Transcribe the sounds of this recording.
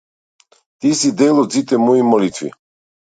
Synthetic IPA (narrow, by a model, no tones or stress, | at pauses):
t̪isid̪ɛlɔzit̪ʼɛmɔimɔlit̪ʰvḭ